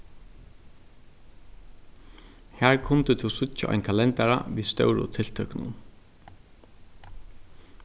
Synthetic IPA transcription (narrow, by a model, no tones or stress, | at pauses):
hæːɹkʰʊnt̪ət̪ʰuwsʊt͡ʃaʔɔ̰jnkʰalɛnt̪aɹa̰ʋist̪œ̰wɹʊ̰t̪ʰɪl̥t̪ʰœknʊ̰n